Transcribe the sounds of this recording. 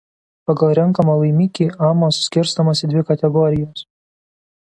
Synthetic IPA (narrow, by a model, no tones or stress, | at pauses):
pɐɡɐlˠɾʲɛŋkɐmɐlˠɐɪmʲiːkʲiːɑːmoːssʲkʲɪɾst̪ɐmɐːsʲɪd̪ʲʋʲɪkɐt̪ʲɛɡɔɾʲɪjoːs